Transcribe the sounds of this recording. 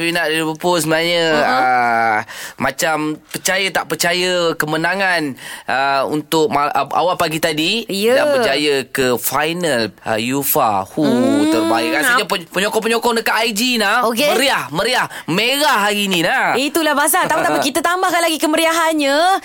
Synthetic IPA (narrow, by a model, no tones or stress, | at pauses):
inaʔdiɾipəpʊlsəbənaɲəə | mat͡ʃampərt͡ʃajət̪aʔpərt͡ʃajəkəmənaŋanəṵnt̪ʊk̚maa̰walpaɡit̪adijdapərt͡ʃajəkəfajnələ̰jufa̰hut̪ərbaikansaɲappəɲɔkɔp̬əɲɔkɔdəkaʔ̪aid͡ʒinahokeəɾiahməɾiah | meɾahɦaɾinĩnait̪ulahbaas̬at̪aũt̪apikit̪ət̪ambahkanlaɡikəməɾiaɦanɲə